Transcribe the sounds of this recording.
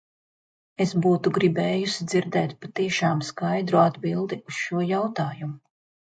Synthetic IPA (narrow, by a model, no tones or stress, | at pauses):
esbuːt̪uɡɾibɛːjusid̪ziɾd̪ɛːt̪pat̪iɛʃaːmskajd̪ɾuad̪bilˠd̪iusʃuɔjawt̪aːjumu